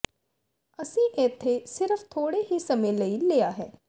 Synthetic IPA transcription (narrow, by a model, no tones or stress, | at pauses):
əsĩːʔɪt̪ʰːesɪɾəfʰt̪ʰoːɽeːɦiːsəmẽləiːleːaːɦɛː